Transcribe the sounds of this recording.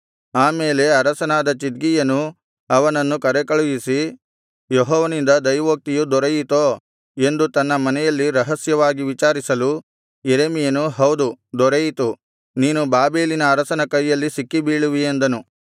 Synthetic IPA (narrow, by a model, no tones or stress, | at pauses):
aːmeːle̞ɐɾɐsɐnaːd̪ɐt͡ʃid̪̚ɡijɐnu | ɐʋɐnɐnːukɐɾɛkɐɭujisi | joɦɔːʋɐnind̪ɐd̪ɐjʋoːk̚t̪ijud̪ɔɾɐjit̪oː | e̞nd̪ut̪ɐnːɐmɐnɛjɐlːiɾɐɦɐsjɐʋaːɡiʋit͡ʃaːɾisɐlu | jeɾeːmijɐnuɦɐwd̪ud̪ɔɾejit̪u | niːnubaːbe̞ːlinɐːɾɐsɐnɐkɐjːɐlːisikːibiːɭuʋiend̪ɐnu